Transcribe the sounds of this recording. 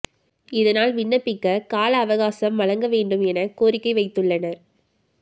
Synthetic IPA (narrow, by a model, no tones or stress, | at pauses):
ɪðɐnaːlʋɪɳːɐpːɪkːɐkaːlɐːʋɐɣaːsɐmːɐɻɐŋɡɐʋeːɳɖɯmɛnɐkoːɾɪkːɐɪʋɐɪt̪ːɯɭːɐnɐɾ